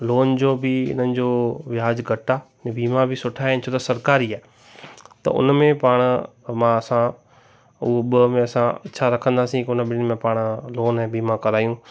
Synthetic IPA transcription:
loːnd͡ʑoːbɪɪ̰n̤ənɪ̆d͡ʑoːʋɪjaːd͡ʑɡʱɐʈa | ẽbiːmãbʱɪsʊʈʰaːɦɪnɪ̆t͡ɕʰoːt̪ɐsɐɾkaːɾiaːe | t̪ɐ̰ʊ̰nmẽpaːɽ̃ | mãɐsã | ʊɦoɓɐmẽɐsãɐ̰tːʃʰaɾɐkʰə̃nd̪aːsĩkiʊnəɓɪnmẽpaːɽ̃loːnːbiːmãkɐɾaːjũː

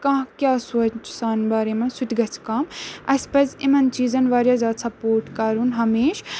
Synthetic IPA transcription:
kɐ̃ɦkʲjaːsoːt͡ʃt͡ʃʰsaːnbaːɾemɐ̃nsut̪ʲɡɐt͡sʰkaːmɐspɐzimɐnt͡ʃiːzɐnʋaːɾjazaːt̪sɐpoːɾʈkɐɾunɦɐmeːʃ

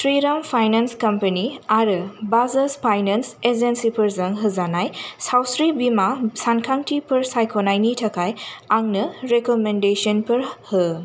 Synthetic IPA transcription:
sɾiɾampʰajnanskɐmpɐniaɾɯbazɐspʰajnɐnsezensipʰɐɾzɐŋɦɯzanajsawsɾibimasankʰaŋtʰipɯɾsajkʰonajnitʰɐkʰajaŋnɯɾekomendesɔnpɯɾhɯ

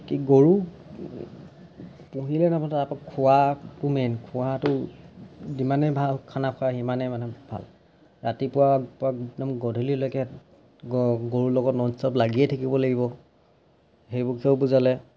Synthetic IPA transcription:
kiɡoɹu | puɦilɛnaptaapakʰʊwatumɛnkʰʊwatʊ | dimanɛbʱalkʰanapʰaximanɛmanɛbʱa̰l | ɹatipʊwapʊanɔmɡɔdʱulilɔjkɛ | ɡɡoɹulɔɡɔtnɔnsɔplaɡiɛtʰakibɔlaɡibɔ | ɦejbukʰiɔʊbuzalɛ

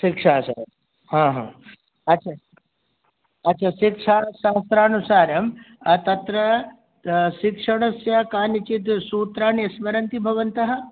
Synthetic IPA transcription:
ʃikʂaːsa̰ | hãːɦã̰ː | ɐtːt͡ʃʰa | ɐtːʃʰaːʃikʂaːʃaːst̪ɾaːnusaːɾɐmt̪ɐt̪ɾɐ | ʃikʂɐɽ̃ɐsjɐkaːnit͡ʃit̪suːt̪ɾaːnɐsʋɐɾɐnt̪ibʱɐʋɐnt̪ɐɦɐ̆

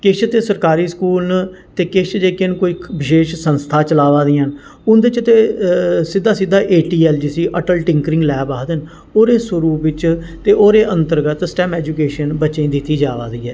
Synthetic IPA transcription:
kɪt͡ʃʰt̪eːsəɾkaːɾiːskuːln | t̪eːkɪt͡ʃʰd͡ʒeːkenkoiːbɪʃeːʃsənst̪ʰaːt͡ʃəlaːʋaːd̪iːən | ʊnd̪ɪt͡ʃt̪eːsɪd̪ːaːsɪd̪aːʔeːʈiːɛːld͡ʒɪsiːʔəʈəlʈɪ̃ŋkɾɪ̃ŋɡlɛːbaːd̪ən | oːɾeːsʊɾuːbɪt͡ʃ | t̪eːʔoːɾeːʔə̃nt̪əɾɡət̪sʈɛːmɛːd͡ʒuːkeːʃənbəːʃẽːd̪ɪt̪ːiːd͡ʒaːʋa̰ːd̪iːɛː

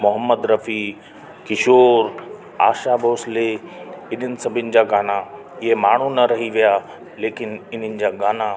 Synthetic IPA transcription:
mʊɦəmːəd̪ɾɐfi | kɪʃoːɾ | a̰ːʃaboːsleɪn̤ənɪ̆sɐbʱɪʊnɪ̆d͡ʑaːɡaːna | ɪɦemaːɳ̤unɐɾɐɦiʋijaː | leːkɪnɪn̤ənɪ̆d͡ʑaːɡaːna

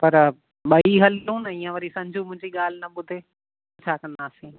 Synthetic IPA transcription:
pɐɾ | ɓɐiɦɐljũːnɐiːãʋɐɾisɐ̃md͡ʑʱumʊ̃ɦɪ̃ɲd͡ʑiɠaːl̤ɪnɐɓʊd̪ʱeː | t͡ɕʰaːkɐ̃nd̪aːsĩː

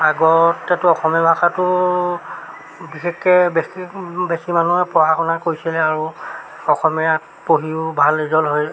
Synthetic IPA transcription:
aɡɔtːɛtʊɔxɔmibaxatʊ | bixekːɛbebesimanuɛpɔaxɔnakojsilɛaɹu | ɔxɔmɛɹat | poɦiʊbʱalːizɔlɦoj

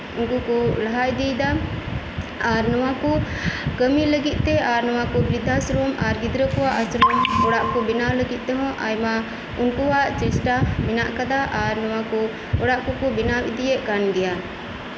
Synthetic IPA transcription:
unkukɔlaɦajd̪ɛjd̪a | aɾnɔwakɔkəmiləɡit̪̚ˀt̪ɛʔaɾnɔw̃ãkɔbɾid̪ʱasɾɔmaɾɡid̪ɾəkɔwaʔasɾɔmɔɽaʔkɔbinawləɡit̪̚ˀt̪ɛɦɔ̃ʔajma | unkɔwaʔt͡ʃɛsʈaminaʔkad̪aʔaɾnɔwakɔ | ɔɽaʔkɔkɔbinabid̪ijɛʔkanɡ̪ɛja

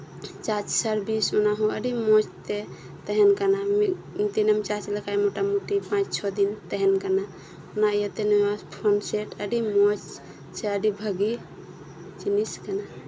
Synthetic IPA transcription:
t͡ʃat͡ʃsəɾbisunaɦũəɖimot͡ʃt̪e | t̪əɦenkanami | mit̪inəmt͡ʃat͡ʃləkajmoʈamuʈipãt͡ʃt͡ʃʰɔd̪int̪əɦɛnkana | unajət̪enoaspʰonseʈəɖimot͡ʃ | t͡ʃʰeəɖibʱəɡi | t͡ʃiniskəna

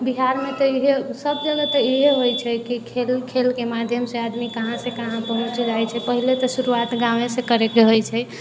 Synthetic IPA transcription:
biɦaɾmet̪ɔiɦesəbd͡ʒələt̪ɔiɦeɦojt͡ʃʰɛkikʰelkʰelkemad̪ʱjəmsead̪mikəɦãsekəɦãpəɦũt͡ʃd͡ʒajt͡ʃʰɛpəɦilet̪ɔsuɾuat̪ɡãʋẽsẽkəɾekeɦojt͡ʃʰɛ

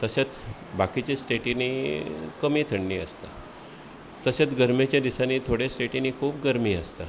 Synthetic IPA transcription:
t̪əset͡s | bakit͡ɕesʈeʈiniːkəmiːt̪ʰəɳniːə̰st̪a̰ | t̪əset͡sɡəɾmet͡ɕjad̪isaniːt̪ʰoɽjesʈeʈiniːkʰuːpɡəɾmiːəst̪a

